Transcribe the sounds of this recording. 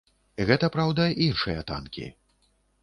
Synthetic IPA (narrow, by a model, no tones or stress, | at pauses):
ɣɛt̪ɐpɾawd̪ɐinʂɨjɐ̰t̪a̰nkʲḭ